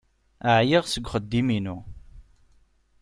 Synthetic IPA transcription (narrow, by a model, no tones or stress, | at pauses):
əʕjiʁsəɡʷχəd̪ːiminu